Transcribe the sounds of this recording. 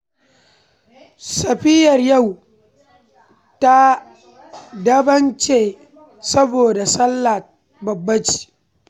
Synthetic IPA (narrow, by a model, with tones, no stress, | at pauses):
sɐ˨ɸɪ˦jɐ˨rja˦˨w | ta˦ | dɐ˦bɐ˦nt͡ʃeː˨ | sɐ˦boː˨da˨sɐ˦lːa˨t̚ | bɐ˨bːɐ˦t͡ʃi̥ː˨